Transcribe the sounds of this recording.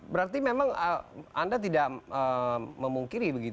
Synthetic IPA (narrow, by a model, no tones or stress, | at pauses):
bəɾart̪imemaŋəandat̪idaʔəməmuŋkiɾibəɡit̪u